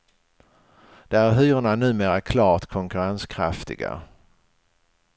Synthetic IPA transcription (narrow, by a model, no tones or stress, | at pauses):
d̪̥ɛæɾɦyːɾʊɳanʉ̟ːmeːɾakʰlɑːɾt̪kʰɔŋkɵɾanskʰɾa̰ft̪ɪ̰ɡa̰